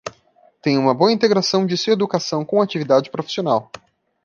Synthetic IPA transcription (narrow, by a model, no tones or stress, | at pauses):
t̪ẽj̃ũmɐboɐĩnt̪eɡɾasɐ̃w̃d͡ʒɪsued̪ukasɐ̃w̃kõw̃at͡ʃivid̪ad͡ʒɪpɾofi̥sionaw